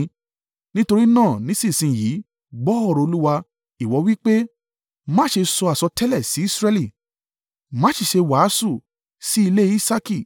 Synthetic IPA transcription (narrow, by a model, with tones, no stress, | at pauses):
nĩ˦to˧ɾi˦nãː˦˨nĩ˨˦sĩ˦˨sĩ˧˨jiː˨˦ | ɡ͡bɔ˦ɔ˦˨ɾɔ˨˧o˧lu˦wa˧ | i˨wɔ˨˧˦wi˦k͡pe˦ | mã˦ʃe˧sɔ˧a˨sɔ˧tɛ˦lɛ˦˨si˨˦i˦˨sɾɛ˧li˦˨ | mã˦ʃi˦˨ʃe˧wa˨˦su˦˨ | si˨˦i˧le˦i˦sa˦ki˦˨